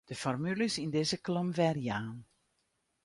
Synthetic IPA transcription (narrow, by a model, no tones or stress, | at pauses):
d̥əfɔrmylɪsindɪzəklɔmvɛrjaːn